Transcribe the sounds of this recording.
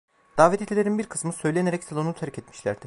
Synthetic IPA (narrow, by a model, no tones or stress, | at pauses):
d̪̥aːvɛt̪ʰet̪ʰilʲe̞ɾinbiɾkʰɯ̥smɯsø̞jlʲe̞neɾɛcsalʲˠonut̪ʰæɾcɛt̪mi̥ʃlʲæ̰ɾd̪ɪ